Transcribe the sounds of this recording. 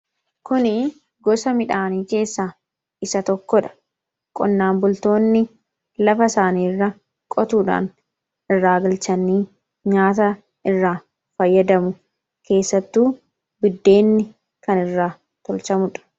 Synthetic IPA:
kʊnɪ | ɡɔsɐmɪᶑaːniːke̞ːsːaː | ɪsɐt̪ɔkːɔᶑɐ̥ | kʼɔnːaːmbʊlt̪o̞ːnːɪ | lɐfɐsaːniːrːɐ | kʼɔt̪uːᶑa̰ːn | ɪrːaːɡɪlt͡ʃɐnːiː | ɲaːt̪ɐ | ʔɪrːaː | fɐjːɐd̪ɐmʊ | kʰe̞ːsːɐt̪ːuː | bɪd̪ːe̞ːnːɪ | kɐnɪrːaː | t̪ɔlt͡ʃɐmʊᶑɐ̥

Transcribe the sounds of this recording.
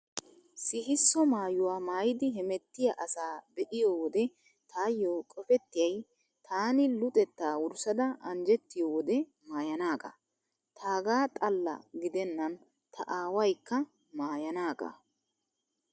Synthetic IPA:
sɪɦɪsːɔmaːjʊwaːmaːjɪd̪ɪɦɛmɛt̪ːɪjɐʔɐsaːbɛʔɪjoːwɔd̪ɛ | t̪ʰaːjːoːkʼɔfɛt̪ːɪjɐj | t̪ʰaːnɪlʊt̪ʼɛt̪ːaːwʊɾsɐd̪ɐʔɐnd͡ʒɛt̪ːɪjoːwɔd̪ɛ | maːjɐnaːɡɐ̰ | t̪ʰaːɡaːt̪ʼɐlːɐ̰ɡɪd̪ɛnːɐn | t̪ʰɐ̰ʔaːwɐjkːɐ | maːjɐnaːɡɐ̰

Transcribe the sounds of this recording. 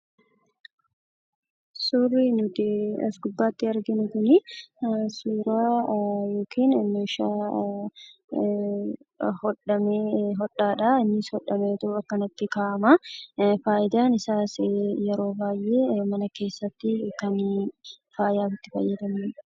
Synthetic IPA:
sʊrːinʊt̪ɪɐ̰sɡʊbːaːt̪ːɪɐɾɡɪnʊk̪ʊnɪ | suːɾaːjo̞ːkiːnmeːʃaː | hɔᶑɐmeːɦɔɗaːᶑaɪnːɪshɔᶑɐmeːt̪ʊɐkːɐnɐt̪ːɪkaːʔɐmɐfaːjɪd̪aːnɪsaːsjɛɾo̞ːbaːjʔe̞ːmɐnɐke̞ːsːɐt̪ːɪkɐn | faːjaːfɪt̪ːɪfɐ̰jːɐd̪ɐmɐn

